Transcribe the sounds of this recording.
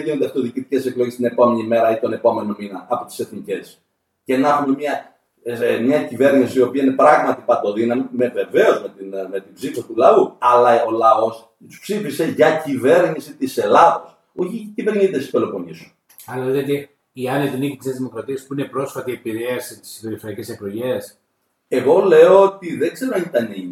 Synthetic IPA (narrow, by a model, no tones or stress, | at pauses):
ʝinod̪eɐft̪ioðicit̪ice̞se̞klo̞ʝest̪ine̞po̞me̞nime̞ɾɐit̪o̞ne̞po̞me̞no̞minɐʔɐpot̪i̥se̞θnice̞s | ce̞nɐxunemɲɐ | mɲɐcive̞ɾnisiːo̞piɐine̞pɾɐɣmɐt̪ipɐt̪o̞ðinɐmime̞ve̞ve̞o̞zmet̪inme̞t̪ibzifost̪ulɐuɐlɐo̞lɐo̞s | t̪u̥spsifise̞ʝɐcive̞ɾnisit̪ise̞lɐðɐs | oçiciveɾɲit̪est̪i̥st̪olo̞ponisu̥ | ɐeðeðeot̪e | iɐnet̪iniçit̪isezðimo̞kɾɐt̪iɐspuine̞pɾosfɐt̪iepiɾeɐsit̪i̥spe̞ɾifeɾiɐceseklo̞ʝe̞s | e̞ɣo̞le̞oot̪iðeɡze̞ɾonɐit̪ɐniɲ